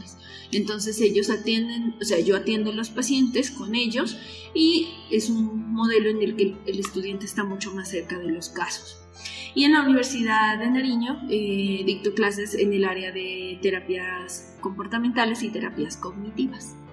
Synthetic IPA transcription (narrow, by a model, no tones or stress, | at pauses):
s | e̞nt̪o̞ns̬e̞se̞ʝo̞sat̪je̞nd̪e̞nose̞aʝo̞at̪je̞nd̪olo̞spasje̞nt̪e̞sko̞ne̞ʝo̞s | i | e̞sunmo̞ð̞e̞lo̞enelke̞elest̪uðjant̪eːst̪amut͡ʃo̞masːe̞ɾkað̞e̞lo̞skaso̥s | ie̞nlauniβ̞e̞ɾsiðaððenaɾiɲo̞eðik̚t̪oklas̬e̞sḛne̞laɾeaðe̞t̪e̞ɾapjas | ko̞mpo̞ɾt̪ament̪ale̞sit̪e̞ɾapjasko̞ɣnit̪iβas